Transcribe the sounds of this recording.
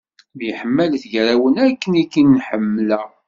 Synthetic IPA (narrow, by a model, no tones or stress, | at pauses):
bjəħəmːælθʝɾæwənækːənikːinːħəmːlæ